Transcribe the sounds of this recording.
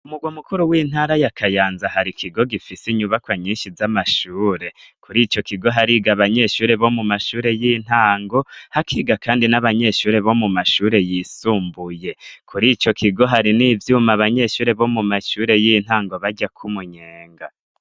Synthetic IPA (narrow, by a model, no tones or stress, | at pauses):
umuɡwamukuɾuwiːn̥haːɾajakʰajaːnzahaɾikʰiɡo̞ɡifisiɲuβakwaɲiːnʃizamaʃuːɾe̞kʰuɾiːt͡ʃo̞kiɡo̞ɦaɾiːɡaβaɲe̞ʃuːɾe̞βo̞mumaʃuːɾe̞jin̥aːŋɡo̞hakʰiːɡakaːndinaβaɲe̞ʃuːɾe̞βo̞mumaʃuːɾe̞jisuːmbuje̞kʰuɾiːt͡ʃo̞kiɡo̞ɦaɾiniːvjuːmaβaɲe̞ʃuːɾe̞βo̞mumaʃuːɾe̞jin̥haːŋɡo̞βaɟakʰumuɲeːŋɡa